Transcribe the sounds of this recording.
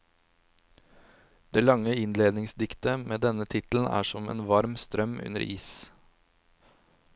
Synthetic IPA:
d̪̥eːlɑŋəɪnleːd̪nɪŋsd̪ɪkt̪əmeːd̪ɛnət̪ʰɪt̪l̩n̩ʔæ̰ːʂɔmḛːnʋɑɾmst̪ɾœmʉ̰nə̰ɾʔiːs

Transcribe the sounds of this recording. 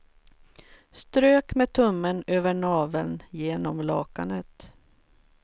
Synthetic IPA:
st̪ɾøːkmeːt̪ʰɵmːənøːvəɳɑːvəlnjeːnɔmlɑːka̰nət̪

